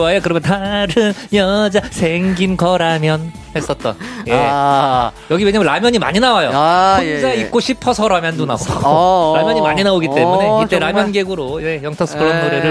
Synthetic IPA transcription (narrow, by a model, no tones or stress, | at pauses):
ajʌkɯɾʌmjʌntaɾɯnjʌd͡ʑasʰe̞ŋɡinkʌɾamjʌn | he̞s͈ʌt̚t͈ʌnje | jʌɡiwe̞ɲamjnɾamjʌɲima̰ɲinawajo̰pʰʌd͡ʑaik̚k͈oɕʰipʰʌsʰʌɾamjʌndona̰oɾamjʌɲimaɲinaoɡit͈e̞mune̞it͈eɾamjʌnɡeɡɯɾoiejʌŋtʰʌs͈ʰɯ̥kɯɾʌnːoɾeɾɯɭ